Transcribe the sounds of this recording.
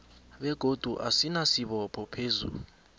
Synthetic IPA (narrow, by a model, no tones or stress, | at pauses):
ɓɛɡ̥ʱod̥ʱuʔasinasiɓɔpʰɔpʰeːzṵl